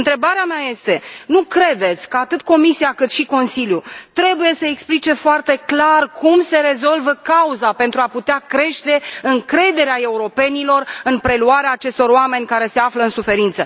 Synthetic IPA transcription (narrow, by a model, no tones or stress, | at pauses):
ɨnt̪ɾe̞baɾeameaje̞st̪e̞nukɾe̞d̪e̞t̪sʲkəat̪ɨt̪ko̞misiakɨt̪ʃiko̞nsiljut̪ɾe̞buje̞səeksplit͡ʃe̞foart̪e̞klarkʰumse̞ɾe̞zo̞lvəkauzape̞nt̪ɾuaput̪eakɾe̞ʃt̪e̞ɨŋkɾe̞d̪e̞ɾeae̞uɾo̞pe̞nilo̞rɨnpɾe̞luaɾeaːt͡ʃe̞st̪o̞ɾoame̞nʲkaɾe̞se̞afləɨnsufe̞ɾint̪sə